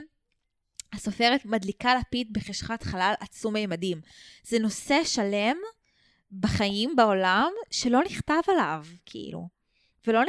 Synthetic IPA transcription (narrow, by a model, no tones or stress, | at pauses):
aso̞fe̞ʁet̪madlikalapit̚beχeʃχat̪χalalʔat͡sumajemadimzɛno̞se̞ʃale̞m | baχaimbao̞lamʃelo̞niχt̪avalavkʰḭʔḭlṵ | velo̞n